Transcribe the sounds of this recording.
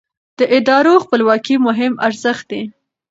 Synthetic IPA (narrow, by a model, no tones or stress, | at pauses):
d̪̥əʔɪd̪ɑɾoxpəlwɑkimʊɦɪmaɾzəxt̪̚d̪e